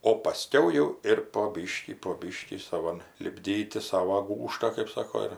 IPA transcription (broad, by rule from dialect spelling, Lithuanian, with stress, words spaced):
oː pɐˈsʲkʲɛʊ jɛʊ ɪr poː ˈbʲiːʃʲkʲiː poː ˈbʲiːʃʲkʲiː sɐˈʋɐn lʲɪbʲˈdʲiːtʲɪ ˈsɑːʋoː ˈɡuːʃtɑː kɐɪp ˈsɑːkoː ɪr